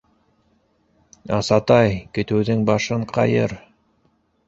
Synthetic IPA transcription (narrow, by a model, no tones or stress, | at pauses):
ɑsɑt̪ɑjkɵ̆t̪ɘ̆wðɘŋbɑʃɤɴqɑ̰jɤ̰ɾ